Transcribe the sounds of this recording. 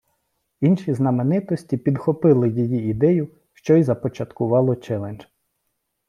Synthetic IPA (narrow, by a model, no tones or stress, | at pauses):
inʃiznɐmenɪt̪ɔsʲtʲipʲid̪xɔpɪlˠɪjijiid̪ɛjʊ | ʃt͡ʃɔjzɐpɔt͡ʃɐt̪kʊʋɑlˠɔt͡ʃɛlˠenʲʒ